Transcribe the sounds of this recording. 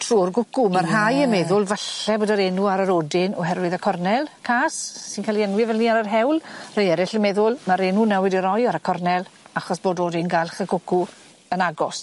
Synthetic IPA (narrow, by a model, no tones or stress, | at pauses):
tʰruːrɡʊkumarɦajəmɛðʊlˠvaɬɛboːdaɾenuaɾəɾodɪnɔɦɛrwɨðəkʰɔrnɛlˠkʰaːsːɪnkaliɛnwɪvɛlˠniːaɾarɦɛwlˠrejɛɾɪɬəmɛðʊlˠmaɾenunɛwɪdiɾɔjaɾəkʰɔrnɛlˠaχɔsb̥oːdoːdɪnɡalχəɡ̥ʊku | ənaɡɔs